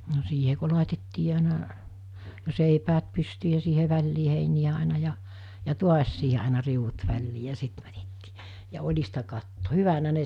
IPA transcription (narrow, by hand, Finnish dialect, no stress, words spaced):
no siːhe ko lɑˑitetːiː ɑˑinɑ seipæːt pystyː jɑ siːhe ʋælʲliː heinij̆æ ɑˑinɑ jɑ jɑ tuɑs siːhe ɑˑenɑ riuʋ̆ut ʋælʲliː jɑ sit mætetːi̥ː jɑ olʲistɑ kɑtːo hyʋænæ ne